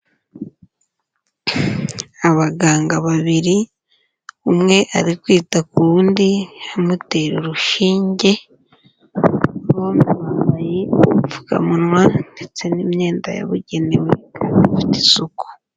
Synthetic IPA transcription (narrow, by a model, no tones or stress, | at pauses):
aβaɡaːŋɡaβaβiɾi | umŋe̞ʔaɾikwiːtakuundihamute̞ɾeɾuʃiːɲɟe̞ | momuwaajifu̥ka̰munwandet͡se̞nimɲe̞ːndaja̰βuɟe̞newekanfi̥te̥suku̥